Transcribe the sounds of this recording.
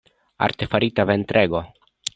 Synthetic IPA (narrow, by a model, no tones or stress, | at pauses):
a̰ɾt̪efaɾit̪avent̪ɾʔeɡo̞